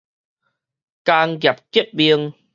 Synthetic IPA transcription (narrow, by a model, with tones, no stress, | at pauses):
ka˧ŋɡja˨˩p̚ki˦˥əp̚bi˧əŋ